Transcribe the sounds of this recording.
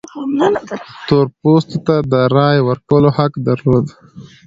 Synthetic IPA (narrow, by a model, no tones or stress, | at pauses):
t̪oɾpost̪ot̪ad̪əɾɑjwəɾkəlohakd̪aɾlod̪